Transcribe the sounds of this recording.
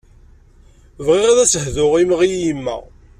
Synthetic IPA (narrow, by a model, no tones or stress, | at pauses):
vʁɪʁæðæsəhðʊʁimʁijimːæ̰